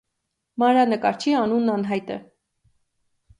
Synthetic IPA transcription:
mɑɾɑnəkɑ̰ɾt͡ʃʰiɑnunːɑnɦɑjt̪ə̰

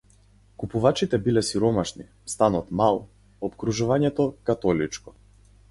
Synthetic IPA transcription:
kupuvat͡ʃit̪ɛbilɛsiɾɔmaʃni | st̪anɔt̪malˠ | ɔpkɾuʒuvaɲɛt̪ɔkat̪ɔlit͡ʃkɔ̥

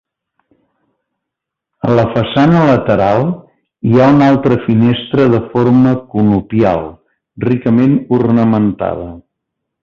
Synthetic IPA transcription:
ələfəsanələt̪əɾalˠ | iaunalˠt̪ɾəfinest̪ɾəðəfoɾməkunupia̰lˠ | rikəmenurnəmənt̪a̰ð̞ə

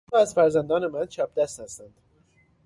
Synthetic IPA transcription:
ɒːæzfæɾzænd̪ɒːne̞mænt͡ʃʰɒːp̚d̪æst̪æst̪ænd̪̥

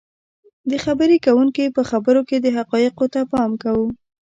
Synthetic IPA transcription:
d̪əxabəɾekawuŋkipəxabəɾoked̪əɦaqɑjɪqot̪apɑmkawu

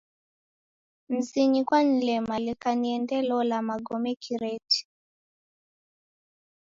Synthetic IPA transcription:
m̩ziɲikwanilɛmalikaniɛndɛlɔlamaɡɔmɛkʰiɾɛti̥

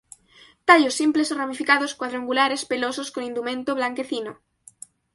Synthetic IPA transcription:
t̪aʎosːimpleseramifikað̞oskwaðɾoaŋɡulaɾespelososkonĩnd̪umẽnt̪oβ̞laŋkeθino

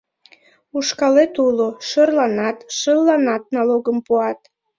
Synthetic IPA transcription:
uʃkɑlet̪uloʃərlɑnɑt̪ʃəlːɑnɑt̪̚nɑloɡəmpuɑt̪

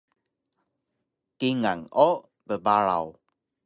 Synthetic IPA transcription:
kiŋaŋɔ | bəbaɾa̰w

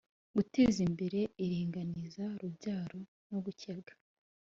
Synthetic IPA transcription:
ɡute̞ːzimbe̞ɾe̞iɾiːŋɡanizaɾubɟaːɾo̞ | no̞ɡucebɡḁ

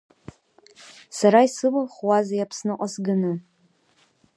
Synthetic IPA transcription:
saɾaisɨlɨχwazajapʰsnɨqʷʼasɡɨnɨ

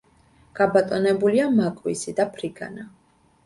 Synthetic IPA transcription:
ɡ̥abat̪ʼɔnɛbuliamakʼwisid̪apʰɾiɡa̰na

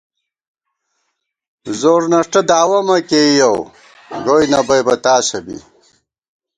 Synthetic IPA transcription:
zoːɾnɐʂʈɐd̪aːwɐmɐkejow | ɡoːjnɐbɐjbɐt̪aːɕɐbḭ

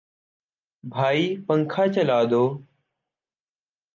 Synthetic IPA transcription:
bʱaːiːpəŋkʰaːt͡ʃəlaːd̪oː

